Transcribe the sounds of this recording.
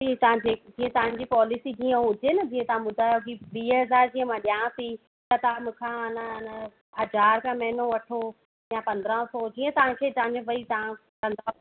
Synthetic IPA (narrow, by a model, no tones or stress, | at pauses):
iːt̪ɐãeːd͡ʑiːə̃t̪ɐʋ̤ãɲd͡ʑipɔːlɪsid͡ʑĩːə̃ɦʊd͡ʑenɐd͡ʑĩːə̃t̪ɐʋ̤ãɓʊd̪ʱaːjokiʋiːɦɐzaːɾd͡ʑiːə̃mãɗjãːsi | t̪ɐt̪ɐãmũkʰãɐnəɪnə | ɦɐd͡ʑaːɾkʰãːmɛɦɪnoʋɐʈʰo | jãpɐ̃nd̪əɾə̃sɔːd͡ʑiːə̃t̪ɐʋ̤ãkʰeːd͡ʑãːnəʋɐit̪ɐʋã | kɐ̃nd̪a